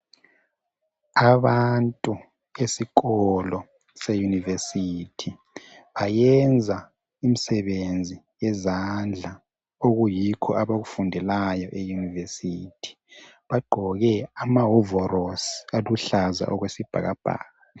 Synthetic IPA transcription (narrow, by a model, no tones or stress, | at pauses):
aβantʼu | esiɣɔlɔ | sejunivesiːtʰi | βajɛnd͡zʱa | imisɛβend͡zʱi | jɛzand͡ɮʱa | oɣujikʰɔʔaβaɣufundʱɛlajɔʔejunivesiːtʰi̥ | βaɡ͡ǃʱɔɣɛamaɦɔvɔrosi̥aluɬaza̰ʔɔɣwesib̥ʱa̰ɣab̥ʱa̰ːɣa